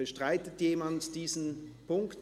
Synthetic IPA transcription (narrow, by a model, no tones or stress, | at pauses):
əʃtʁ̥aɪtətjeːmantd̥iːzn̩pʊŋkt